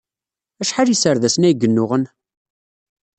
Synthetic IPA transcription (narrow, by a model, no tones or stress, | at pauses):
æʃħalisəɾðæsənæjɡːənːʊʁən